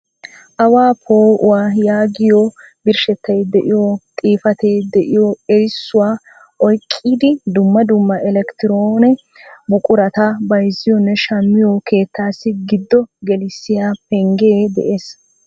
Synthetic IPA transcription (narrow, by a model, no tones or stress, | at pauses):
ʔɐwaːpʰoːʔʊwaːjaːɡɪjɔbɪɾʃɛt̪ːɐjd̪ɛʔɪjot̪ʼiːfɐt̪eːd̪ɛʔɪjoɛɾɪsːʊwaː | ʔɔjkʼːiːd̪ɪd̪ʊmːɐd̪ʊmːɐɛlɛkt̪ɪɾoːnɛ | bʊkʼʊɾɐt̪abɐjzɪjɔnːɛʃɐmːɪjokʰe̞ːt̪ːaːsːɪɡɪd̪ːɔɡɛlɪsːɪjapɛŋɡeːd̪ɛ̰ʔeːs